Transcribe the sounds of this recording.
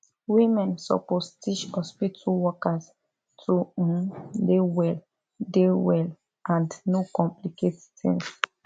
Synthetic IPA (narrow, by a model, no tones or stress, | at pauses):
wimɛ̃nsɔ̰postiʃɔspitʰuwɔkas | tʰu | dewɛl | dewɛl | ʔãndnokɔ̃mplikettɛ̰̃ns